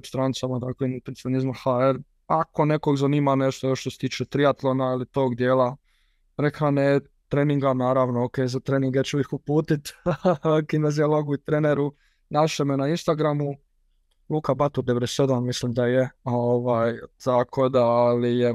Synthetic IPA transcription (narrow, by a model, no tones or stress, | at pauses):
pst̪ɾanit̪samad̪aklenpent̪ionizmaxaeɾ | ako̞ne̞ko̞ɡzaniːmaneʃt̪ojoʃt̪oset̪iːt͡ʃet̪ɾijat̪lˠonailit̪o̞ːɡd̪jeːla | ɾekʰane | t̪ɾeːniŋɡanaːɾaʋnookeːzat̪ɾeːniŋɡet͡ɕuixupuːt̪it̪ | kinezialˠoɡuit̪ɾeneɾu | naʃemenainst̪aɡɾamu | lˠuːkabat̪uɾd̪eeɾesed̪ammislimd̪ajeoʋaːjt̪akʰo̞d̪alije